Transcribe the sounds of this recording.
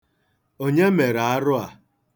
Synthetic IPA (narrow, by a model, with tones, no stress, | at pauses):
o˦ɲe˦me˨ɾa˨a˦ɾʊ˦a˨